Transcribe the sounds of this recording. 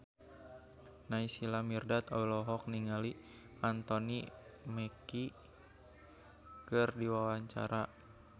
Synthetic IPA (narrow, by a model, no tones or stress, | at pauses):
naisilamirdat̪ailɔɦɔk̚niŋali | ant̪ɔnimɛki | kɨrdiwawaɲt͡ʃa̰ɾʔa